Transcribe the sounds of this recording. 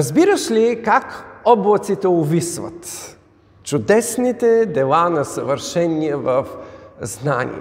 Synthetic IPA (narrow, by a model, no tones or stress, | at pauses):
əzbiɾəʃlikakɔblˠɐt̪sit̪ɛʊvisvɐ̰t̪ | t͡ʃʊd̪ɛsnit̪ɛd̪ɛlˠanɐsɐvəɾʃɛniɛvɐfznanʲḭɛ̰